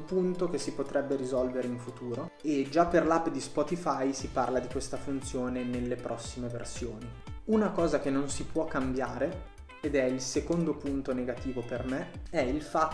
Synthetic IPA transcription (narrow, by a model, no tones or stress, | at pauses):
punt̪ok̟esipot̪ɾɛbːeɾizɔlveɾeiɱfut̪uːɾo | ed͡ʒapːerlapːd̪ispɔt̪ifajsiparlad̪ikwest̪afunt̪sjoːnenelːepɾʔɔsːimevḛrsjoːni | unakɔːzakenːonsipwɔkːambjaːɾe | ed̪ɛilsekond̪opunt̪oneɡat̪iːvopermeɛilfa